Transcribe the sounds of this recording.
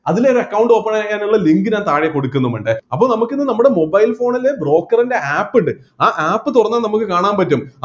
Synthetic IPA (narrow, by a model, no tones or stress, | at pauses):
ɐðiloɾuɐkːɐwɳɖɨoːpːɐɳajaːjːaːnuɭːɐliŋɡɨnaːnt̪aːɻijɐko̞ɽukːunːɐmeɳɖɨɐpːoːnɐmukːinːɨnɐmːuɽe̞mo̞bɐjilfo̞ːɳɐlːebro̞ːkːɐrinde̞aːpːiɳɖɨ | aːʔaːpːɨt̪urɐnːaːnɐmukːɨkaːɳaːnpɐtːum